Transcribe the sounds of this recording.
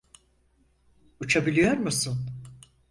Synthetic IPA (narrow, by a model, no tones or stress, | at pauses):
ut͡ʃʰabilʲijo̞ɾmusɯn